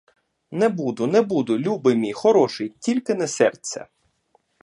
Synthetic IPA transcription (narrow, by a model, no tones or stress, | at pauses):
nɛbud̪ʊnɛbud̪ʊlʲubɪmʲixɔɾɔʃɪjtʲilʲkɪnɛsɛrt͡sʲːɛ̰